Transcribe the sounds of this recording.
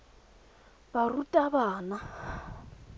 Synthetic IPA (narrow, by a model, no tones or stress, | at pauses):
barutʼaβaːna